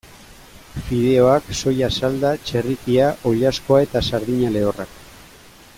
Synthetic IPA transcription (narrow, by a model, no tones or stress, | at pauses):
fiðe̞o̞akso̞jasald̪at͡ʃe̞rikiaʔo̞ʎasko̞ae̞t̪asaɾðiɲale̞orak